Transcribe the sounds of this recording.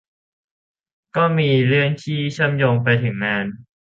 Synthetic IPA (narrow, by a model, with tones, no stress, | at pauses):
kɔː˥˩miː˧ɾɯ˥˩əŋt̪ʰiː˥˩t͡ɕʰɯ˥˩əmjoː˧ŋpa˧jt̪ʰɯ˩˦ŋːaː˧n